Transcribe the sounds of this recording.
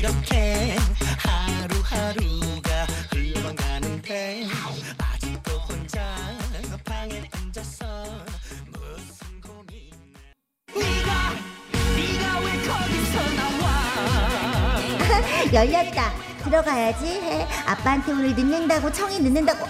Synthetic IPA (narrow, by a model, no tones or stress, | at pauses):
ɾʌkʰe | haɾuhaɾuɡaɯʌŋanɯnde | ad͡ʑitokond͡ʑa | pʰaŋeond͡ʑasʰʌmʌs͈ɯnɡom | iɡa | iɾawet͡ɕʰʌɡisʰʌnawa | jʌʎːaɡida | tɯɾʌɡajad͡ʑiɦeap͈antʰemunɯɭnɯnːɯŋdaɡot͡ɕʰʌŋinɯnːɯndaɡo